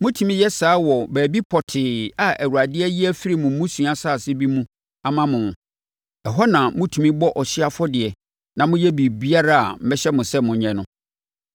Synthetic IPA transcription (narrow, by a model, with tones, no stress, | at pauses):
mʊ̃˦tʰũ˨mĩ˦jɛ˦saː˨˦wɔ˨bæː˨bi˦pʰɔ˨tʰɪː˨a˨ʔæ˨wu˨ɾa˨dɪ˦ɛ˦jɪ˦æ˦fi˦ɾi˦mʊ̃˨mũ˦sũ˨˦a˦sa˦˨sɪ˦bi˦mũ˦ | a˨mã˦mʊ̃˨ | ɛ˨ɦɔ˦nã˨mʊ̃˦tʰu˨mĩ˦bɔ˦ʔɔ˨ɕɪ˦a˦fɔ˦dɪ˨ɛ˨ | nã˨mʊ̃˦jɛ˦bi˨bi˦a˦ɾa˦a̰˨m̩˦mɛ˦ɕɛ˦mʊ̃˨sɛ˦mʊ̃˨ɲɛ̃˨nʊ̃˦